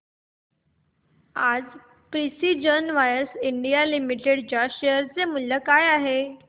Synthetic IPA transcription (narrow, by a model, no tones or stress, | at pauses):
ad͡z | pɾisid͡ʑənʋajəɾsiɳɖijalimiʈeɽd͡ʑaɕeəɾt͡semulːəkajaɦe